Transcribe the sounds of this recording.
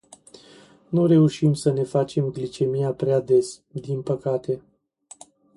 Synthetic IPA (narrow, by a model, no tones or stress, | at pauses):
nuɾe̞uʃimsəne̞fat͡ʃe̞mɡlit͡ʃe̞mijapɾeaːd̪e̞s | d̪inpəkat̪e̞